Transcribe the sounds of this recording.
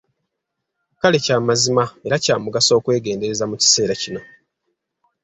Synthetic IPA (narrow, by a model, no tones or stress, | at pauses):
kale̞caːmazimae̞ɾacaːmuɡaso̞ːkwe̞ːɡe̞ːnde̞ɾe̞zamuci̥se̞ːɾacino̞